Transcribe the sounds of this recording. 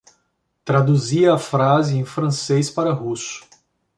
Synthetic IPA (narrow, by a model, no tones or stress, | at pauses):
t̪ɾad̪uziɐːfɾazɪẽj̃fɾɐ̃sejspaɾɐɦusʊ̥